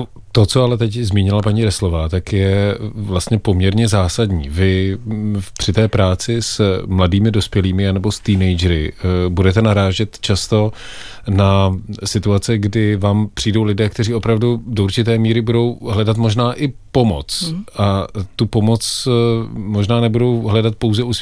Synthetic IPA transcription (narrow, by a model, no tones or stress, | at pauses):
t̪o̞t͡so̞alɛt̪ɛczmiːɲɪlapaɲiːɾɛslo̞vaːt̪akjɛvlast̪ɲɛpo̞mɲɛɾɲɛzaːsadɲiːvɪ | pr̥ɪt̪ɛːpɾaːt͡sɪsmladiːmɪdo̞spjɛliːmɪanɛbo̞st̪iːnɛjd͡ʒɛɾɪbudɛt̪ɛnaɾaːʒɛt̪t͡ʃast̪o̞ | nasɪt̪uat͡sɛɡdɪvaːmpr̥iːdo̞wlɪdɛːkt̪ɛriːo̞pɾavdudouɾt͡ʃɪt̪ɛːmiːɾɪbudo̞wɦlɛdat̪mo̞ʒnaːʔɪpo̞mo̞̰t͡sʔat̪upo̞mo̞t͡s | mo̞ʒnaːnɛbudo̞wɦlɛdat̪̚po̞wzɛus